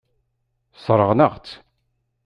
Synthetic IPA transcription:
sˤɾˤəʁnəʁ

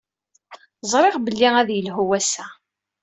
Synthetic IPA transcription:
zˤɾˤeʁbəlːiæðjəlɦuwæsæ

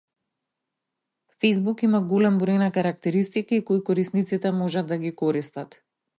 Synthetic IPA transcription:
fɛjzbukimaɡɔlɛmbɾojnakaɾak̚t̪ɛɾist̪ikaikojkɔɾisnit̪sit̪ɛmɔʒad̪ːaɡikɔɾist̪at̪

